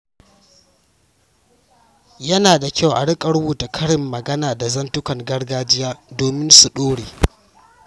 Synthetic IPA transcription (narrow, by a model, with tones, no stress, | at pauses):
jɐ˦naː˨da˨kʲa˦˨wʔa̰˨ɽɪ˦kʼɐ˦ɽwuː˨ta˨kʰɐ˦ɽɪ˨mːɐ˨ɡɐ˦naː˨da˨zɐ˦ntʊ˦kɐ˨ŋɡɐ˦ɽɡaː˦d͡ʒɪ˦jaː˦doː˨mɪ˦nsu˨ɗoː˦ɽeː˨